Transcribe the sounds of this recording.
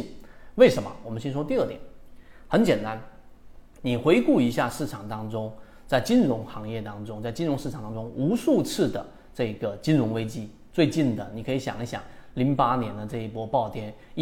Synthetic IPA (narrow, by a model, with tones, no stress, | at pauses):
we˥˩ɪʂə˧˥mə̰˧wɔ˨˩mə˦nɕɛ˥nʂwɔ˥t̪i˥˧ə˥˩t̪jɛ̰˨˩˦nxə˧˥nt͡ɕjɛ˨˩nt̪a˥n | ni˨˩xwe˧˥ɪku˥˩i˧˥ɕja˥˧ʂɻ̩˥˩ʈ͡ʂʰɑ˨˩ŋt̪ɑ˥ŋʈ͡ʂʊ˥ŋ | t͡sa˥˩ɪt͡ɕi˥nɻʊ˧˥ŋxɑ˧˥ŋjɛ˥˩t̪ɑ˥ŋʈ͡ʂʊ˥ŋt͡sa˥˧ɪt͡ɕi˥nɻʊ˧˥ŋʂɻ̩˥˩ʈ͡ʂʰŋt̪ɑ˥ŋʈ͡ʂʊ˥ŋu˧˥ʂu˥˧t͡s̩ʰ˥˩d̪ə˩ | ʈ͡ʂɤ˥˩ɡə˩t͡ɕi˥nɻʊ˧˥ŋwe˥ɪt͡ɕi˥ | t͡swe˥˧ɪt͡ɕi˥˩nd̪ə˩ni˨˩kʰɤ˧˥i˧˥ɕjɑ̰˨˩ŋi˥ɕjɑ̰˨˩˦ŋli˧˥ŋpa˥njɛ˧˥nd̪ə˧ʈ͡ʂɤ˥˧i˥˩pwɔ˥pɑ˥˩ʊt̪jɛ˥n˥